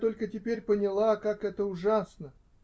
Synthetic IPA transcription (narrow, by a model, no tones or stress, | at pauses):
t̪o̞lʲkətʲɪpʲeɾʲpənʲɪlˠakakɛt̪əʊʐasnə